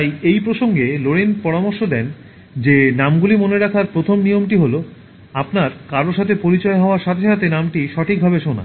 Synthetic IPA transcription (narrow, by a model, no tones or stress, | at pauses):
t̪ajejpɾoʃoŋɡeloɾenpɔɾamoɾʃod̪ɛn | d͡ʑenamɡulimoneɾakʰaɾpɾot̪ʰomnijomʈiɦolo | apnaɾkaɾoʃat̪ʰepoɾit͡ɕɔeɦɔoaɾʃat̪ʰeʃat̪enamʈiʃɔʈʰik̚bʱabeʃona̰